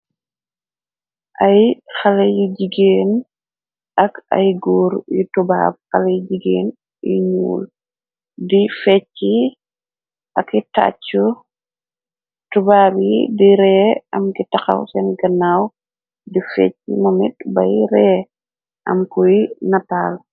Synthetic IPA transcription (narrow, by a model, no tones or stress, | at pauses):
ʔɐjxɐlɐjiɟiɡeːn | ʔɐkɐ̰jɡɔɾjutuba̰ːb̚xɐlɐjɟiɡeːn | jḭɲṵːl | difɛt͡ʃːi | ʔɐkːita̰ːt͡ʃːu | tubaːbjidiɾɛːɐmkitɐxɐ̰wsɛnɡɐnaːw | difɛ̰t͡ʃːimɔmḭt̚bɐ̰jɾɛː | ʔɐ̰mkujnɐtaːl